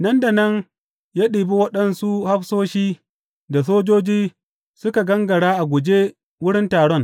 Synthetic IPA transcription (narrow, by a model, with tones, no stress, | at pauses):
nɐ˦nda˨nɐ˦n | jaː˦ɗiː˨bi˦wɐ˦ɗɐ˦˨nsu˦ha˦ɸsoː˦ʃiː˦ | da˨s̬oː˦d͡ʒoː˦d͡ʒiː˦ | sʊ˦ka˨ɡɐ˦ŋɡɐ˨ɽaː˦ʔa˨ɡʷʊ˨d͡ʒe˦ | wʊ˦ɽɪ˦ntaː˨ɽɔ˦ŋ